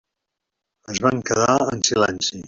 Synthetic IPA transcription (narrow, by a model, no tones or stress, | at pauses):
əzβaŋkəðaənsilɛnsi